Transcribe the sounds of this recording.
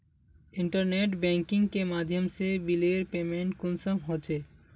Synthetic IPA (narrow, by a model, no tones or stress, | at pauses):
iɳʈəɾneʈbɛ̃ŋkiŋkemad̪ʱjəmsebileɾpemeɳʈkʊnsəmɦot͡ʃʰe